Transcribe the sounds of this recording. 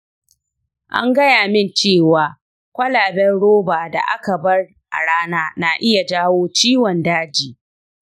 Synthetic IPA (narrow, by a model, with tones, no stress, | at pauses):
ʔa̰˦ŋɡɐ˦jaː˨mɪ˦nt͡ʃeː˦˨waː˨ | kʷɐ˦laː˨bɛ˦nɽoː˦baː˨da̰˨ʔa˦ka˨bɐ˦r | ʔa̰˨ɽaː˦naː˦na˨ʔɪ˦ja˨d͡ʒaː˦woː˦t͡ʃiː˦wɔ˨ndaː˦d͡ʒiː˨